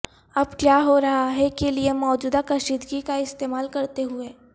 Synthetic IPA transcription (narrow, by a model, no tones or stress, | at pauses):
ɐbkjaːɦoɾɐɦaɦɛkeliemɔːd͡ʒuːd̪akɐʃiːd̪ɡikaɪst̪eːmaːlkɐɾt̪eɦʊeː